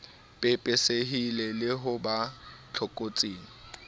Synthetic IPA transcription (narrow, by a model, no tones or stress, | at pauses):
pʼɪpʼɪseɦilɛlɪɦʊbat͡ɬʰɔkʼot͡sʼiːŋ̩